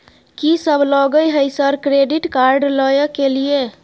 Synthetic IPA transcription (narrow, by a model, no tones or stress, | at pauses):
kisəbʱlɔɡəjɦəjsəɾkɾeɖiʈkaɾɖləjəkːelie